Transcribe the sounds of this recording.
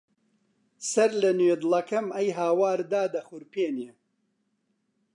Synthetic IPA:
sɐɾlɐnweːd̪lɐkɐmɐjɦaːwaːɾd̪aːd̪ɐxʊɾpeːnje

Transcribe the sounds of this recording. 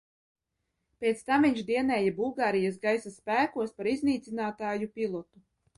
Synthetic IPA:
pʲɛt̪st̪amviɲt͡ʃd̪iɛnɛːjabulˠɡaːɾijasɡajsasːpæːkuɔspaɾizniːt̪sinaːt̪aːjupilˠɔt̪u

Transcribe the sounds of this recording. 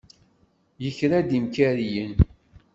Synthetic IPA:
jəçɾæd̪imkæɾijən

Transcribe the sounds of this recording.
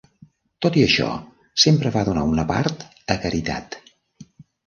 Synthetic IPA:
t̪ot̪iəʃɔ̰ | sempɾəβaðunaunəpa̰ɾt̪ | əkəɾit̪a̰t̪

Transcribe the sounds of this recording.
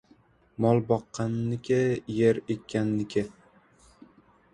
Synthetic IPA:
mɒlˠbɒqːɑnːɪkʲʰɪjeɾekʲʰːanːɪkʲʰɪ

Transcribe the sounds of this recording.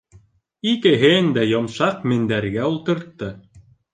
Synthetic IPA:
ikɘ̆ɦɘnd̪æjŏmʃɑqmɘ̆nd̪æɾɡæulˠt̪ɤ̆ɾt̪ːɤ

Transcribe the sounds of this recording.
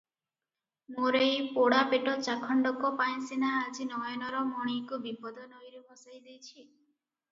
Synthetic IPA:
moɾejpoɽapeʈɔt͡ʃakʰɔɳɖɔkɔpaj̃sinaːd͡ʒinɔjɔnɔɾɔmɔɽ̃ikubipɔd̪ɔnojɾebʱɔsajd̪ejt͡ʃʰi

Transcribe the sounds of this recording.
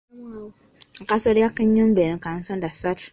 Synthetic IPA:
ŋkasoɾakːəɲumbenkan̩sondasat

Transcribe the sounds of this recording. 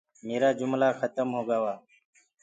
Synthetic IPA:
meːɾaːd͡ʒumlaːxət̪əmhoːɡawaː

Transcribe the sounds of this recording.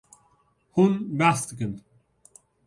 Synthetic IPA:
hunbæsd̪ɨkɨn

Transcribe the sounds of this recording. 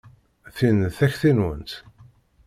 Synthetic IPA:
θinəθæçθinwə̰nt̪

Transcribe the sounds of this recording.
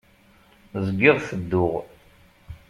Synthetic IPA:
zəɡːɪʁθəd̪ːʊʁ

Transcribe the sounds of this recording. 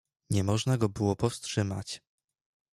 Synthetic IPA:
ɲɛmɔʐnaɡɔbɘwɔpɔfstʂɘma̰t͡ɕ

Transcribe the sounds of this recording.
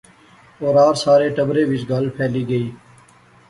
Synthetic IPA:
oːɾaːɾsaːɾeːʈəbɾeːʋɪsɡaːlpʰɛːliːɡəiː

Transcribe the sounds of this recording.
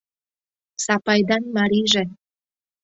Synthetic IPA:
sɑpɑjd̪ɑnmɑɾiʒĕ

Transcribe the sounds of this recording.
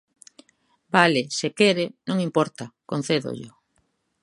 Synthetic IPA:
balesekeɾɪnõŋimpɔɾt̪akon̟θeðo̰ʎʊ

